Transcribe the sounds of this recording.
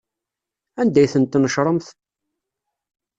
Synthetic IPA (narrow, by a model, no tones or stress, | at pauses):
ænd̪æjθənt̪ːnəʃɾˤəmθ